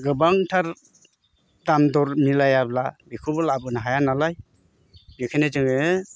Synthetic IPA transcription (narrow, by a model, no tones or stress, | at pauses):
ɡɯbaŋtʰaɾ | damdɔɾmilajablabikʰubɯlabɯnaɦajanalaj | bikʰenezɯŋɯ